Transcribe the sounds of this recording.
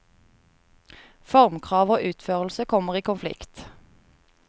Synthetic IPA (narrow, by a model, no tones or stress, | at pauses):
fɔʁmkʰʁɑːʋoːʔʉːt̪føːʁl̩səkʰɔməʁiːkʊnflɪ̰kt̪